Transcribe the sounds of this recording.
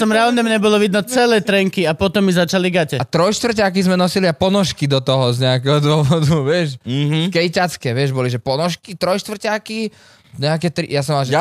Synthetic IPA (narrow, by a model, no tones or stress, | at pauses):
t̪ɔmɾɛalɲɛmɲɛbɔlɔʋid̪nɔt͡sɛlɛjt̪ɾɛŋkiapɔt̪ɔmːizat͡ʃaliɡacɛat̪ɾɔjʃt̪ʋr̩cak̬izmɛnɔsiliapɔnɔʃkid̪ɔt̪ɔɦɔzɲɛakɛɦɔd̪ʊɔʋɔd̪uʋɪɛʃɦkɛjcat͡skɛʋɪɛʒbɔliʒɛpɔnɔʃkit̪ɾɔjʃt̪ʋr̩caki | ɲɛakɛt̪ɾḭjas̬ɔmalʒɛ